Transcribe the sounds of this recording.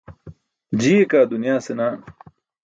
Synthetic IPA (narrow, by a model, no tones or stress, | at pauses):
d͡ʑiːekaːd̪unjaːsenaː